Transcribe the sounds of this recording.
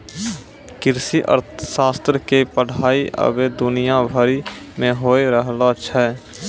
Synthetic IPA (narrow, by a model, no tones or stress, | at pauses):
kɪɾsiʔə̰ɾt̪ʰʃaːst̪ɾkepəɽ̤aːiʔə̰bed̪ʊnijabʱəɾi | mẽɦoːeɾəɦlat͡ʃʰɛ